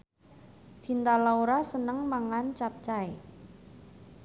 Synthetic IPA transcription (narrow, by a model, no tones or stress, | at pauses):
t͡ʃint̪alauɾasənəŋmaŋant͡ʃap̚t͡ʃae